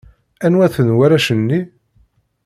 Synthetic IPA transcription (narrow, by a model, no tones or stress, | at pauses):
ænwæθənwæɾæʃənːi